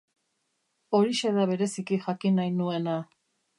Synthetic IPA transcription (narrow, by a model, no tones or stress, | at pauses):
o̞ɾiʃeðaβ̞e̞ɾe̞sikixakinajnue̞na